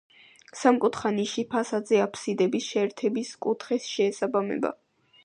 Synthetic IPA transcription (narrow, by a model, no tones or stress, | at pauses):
samkʼut̪ʰχaniʃipʰasad̪zɛapʰsid̪ɛbisʃɛːɾt̪ʰɛbiskʼut̪ʰχɛsʃɛːsabamɛ̰ba̰